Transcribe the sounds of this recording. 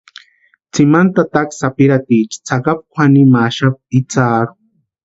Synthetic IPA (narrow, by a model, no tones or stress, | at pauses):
t͡simant̪at̪aksapiɾat̪iːt͡ʃi̥t͡sakap̚kʷʰanimaːʃap̚it͡saːɾu̥